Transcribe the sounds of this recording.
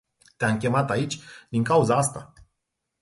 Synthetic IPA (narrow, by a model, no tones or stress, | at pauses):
t̪eaŋkʲe̞mat̪ait͡ʃʲd̪iŋkauzaast̪a